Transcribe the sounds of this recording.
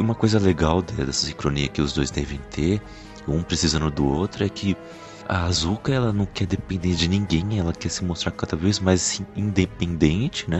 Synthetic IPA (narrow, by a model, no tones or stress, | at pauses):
ũmɐkojzɐleɡawd̪ɛd̪ɛsɐ̥sĩkɾoniɐkɪʊzd̪ojzd̪ɛvẽj̃t̪ʰeɾ | ũpɾesizɐ̃nd̪ʊd̪ʊowt̪ɾʊɛkʰɪ | ɐ̰azukɐɛlɐnɐ̃w̃kɛɾd̪epẽnd̪ẽd͡ʒɪnĩŋɡẽj̃ɛlɐkɛsɪmost̪ɾaɾkad̪ɐvejzmajzĩĩd̪epẽnd̪ẽnt͡ʃɪ̥nɛ